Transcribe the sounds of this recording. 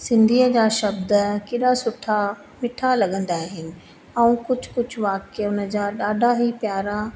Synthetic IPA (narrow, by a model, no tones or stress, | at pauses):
sɪ̃nd̪ʱiəd͡ʑaːʃɐb̚d̪əkɪɗasʊʈʰa | mɪʈʰalɐɠə̃nd̪aːɦɪnɪ̆ | ɛ̃ũkʊd͡ʑʱʊkʊd͡ʑʱʊʋaːkeʊnə̆d͡ʑaɗaːɖʱaɦipjaːɾa